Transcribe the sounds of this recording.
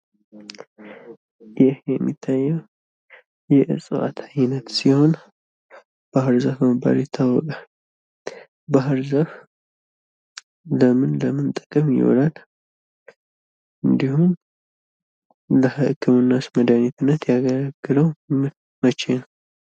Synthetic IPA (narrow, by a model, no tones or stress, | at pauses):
jɪhjɛmːit̪ʰːajːɛw | jɛʔɨ̰sʼɨwa̰t̪ʰajnət̪siho̞n | b̥ahɨɾzafəməba̰ɾit̪ʰːawːɔkʼal | baɦɨɾzaf | ləmɨnləmɨnt̪ʼə̥kʼəmjɪ̰wɔ̰lal | ʔɨnd̪ihun | ləhɨʔɨkʰːɨmɨnːasməd̪anit̪ʰɨnːət̪jaɡəlaɡ̥ːɨləw | mət͡ʃenəw